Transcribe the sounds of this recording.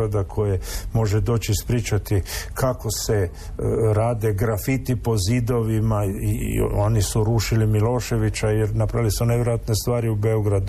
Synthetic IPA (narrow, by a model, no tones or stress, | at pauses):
ad̪akʰo̞jemo̞ʒed̪o̞ːt͡ʃispɾiːt͡ʃat̪ikʰako̞se | ɾaːd̪e̞ɡɾafit̪ipo̞zid̪o̞ʋimaḭo̞nisuɾuːʃilimilo̞ːʃe̞ʋit͡ɕajeɾnapɾaʋilisuneʋjɾojat̪nest̪ʋaːɾiube̞oɡɾad̪u